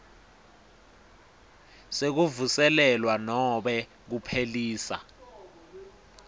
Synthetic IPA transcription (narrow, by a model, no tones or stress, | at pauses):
sek̬uvusɛlɛlwanɔɓɛ | k̬upʰeliːsa̰